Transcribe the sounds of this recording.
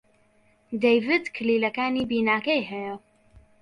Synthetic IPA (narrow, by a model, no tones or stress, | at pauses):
d̪ejvɨd̪kʰɨliːlɐkaːniːbiːnaːkɐjɦɛjɐ